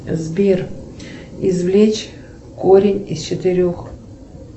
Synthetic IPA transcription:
zbʲer | izvlʲet͡ɕ | koɾʲɪnʲist͡ɕɪt̪ɨɾʲox

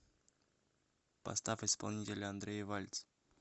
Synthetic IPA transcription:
pɐ̰st̪afɪspɐ̰lˠnʲitʲɪlʲəɐnd̪ɾʲejɪvalʲt̪s

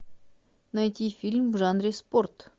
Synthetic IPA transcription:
najtʲifʲilʲmvʐanɾʲɪsport̪

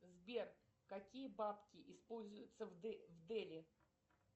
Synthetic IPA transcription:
zbʲer | kɐkʲijəbapkʲɪʔɪspo̞lʲzʊjʊt̪səvvd̪ɛlʲɪ

